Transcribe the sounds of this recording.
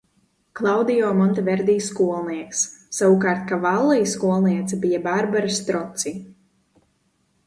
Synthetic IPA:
klˠawd̪ijɔːmɔnt̪ɛvɛɾd̪iːskuɔlˠniɛksːawukaːɾt̪̚kavalˠːijskuɔlˠniɛt̪sabijabaɾbaɾast̪ɾɔt̪si

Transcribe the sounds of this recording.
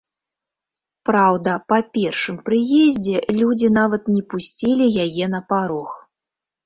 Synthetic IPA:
pɾawd̪ɐpapʲɛrʂɨmpɾɨjɛzʲd͡zʲɛlʲud͡zʲinavɐt̪nʲɛpusʲt͡sʲilʲijajɛnɐpaɾɔx

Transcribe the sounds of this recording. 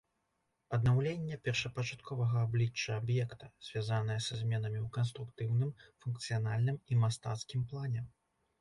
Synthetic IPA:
ɐd̪nawlʲenʲːɐpʲɛrʂɐpɐt͡ʂat̪̚kʰɔvɐɣɐːblʲit͡ʂːɐːbjɛkt̪ɐz̥ʲvʲazanɨjɐsazʲmʲɛnɐmʲiwkɐns̬t̪ɾukt̪ɨwnɨmfunk̚t̪sɨjanalʲnɨmimast̪a̰t̪skʲimplˠanʲɛ

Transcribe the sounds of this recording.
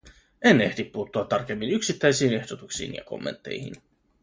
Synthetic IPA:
ene̞ht̪ipːuːt̪ːuɑt̪ːɑrk̟e̞mːinyksit̪ːæjsiːnehd̥o̞t̪uksḭːnjɑ̰ko̞̰mːent̪ːe̞̰jhḭn

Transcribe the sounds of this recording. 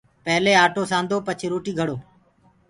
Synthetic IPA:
pəɦleːaːʈoːsãːnd̪oːpət͡ʃʰeɾoːʈiːɡʱəɽoː

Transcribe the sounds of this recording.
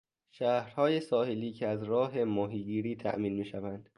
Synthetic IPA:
ʃæːhɾhɒːjesɒːheliːcʰeæzɾɒːɦe̞mɒːɦiːɡiːɾiːt̪ʰæ̰ʔmiːnmiːʃævænd̪̥

